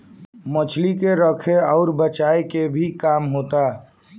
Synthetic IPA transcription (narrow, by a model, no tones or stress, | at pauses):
mət͡ʃʰlikeɾəkʰeɔːɾbət͡ʃaːekebʱikaːmɦot̪a